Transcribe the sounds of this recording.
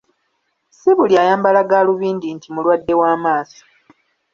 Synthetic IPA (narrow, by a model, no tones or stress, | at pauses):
siβuljaːjaːmbalaɡaːluβiːndintʰimulwadːe̞waːmaːso̥